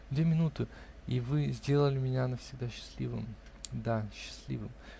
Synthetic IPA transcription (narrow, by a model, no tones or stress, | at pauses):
d̪vʲemʲɪnut̪ɨ | ivɨzʲdʲe̞lˠəlʲɪmʲɪnʲanəfsʲɪɡ̚d̪aɕːɪ̥sʲlʲḭvɨ̰m | d̪aɕːɪ̥sʲlʲḭvɨm